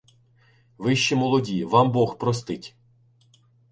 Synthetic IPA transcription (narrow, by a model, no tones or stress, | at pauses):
ʋɪʃt͡ʃimɔlˠɔdʲiʋɑmbɔxpɾɔst̪ɪtʲ